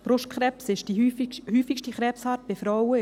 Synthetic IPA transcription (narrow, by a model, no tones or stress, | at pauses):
b̥ɾʊʃtkχɾɛpsɪʃd̥ihyːfikʃtiχɾɛːpshɑːt̚b̥ɪfɾɔwə